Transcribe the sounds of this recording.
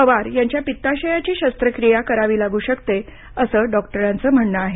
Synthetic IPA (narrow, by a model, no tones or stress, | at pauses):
əʋaɾjaɲt͡ɕjapit̪ːaɕəjat͡ɕiːɕəst̪ɾəkɾijakəɾaʋiːlaɡuːɕəkt̪e | əsəːɖɔkʈəɾãnt͡səːm̤əɳːəaɦe